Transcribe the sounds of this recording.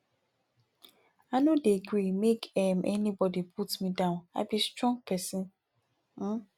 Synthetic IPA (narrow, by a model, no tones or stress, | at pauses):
anodeɡɹimekɛmʔɛnibɔdipʰutmidãʊ̃na̰bistɹɔ̃ŋɡpʰɛsɪ̃n | m̩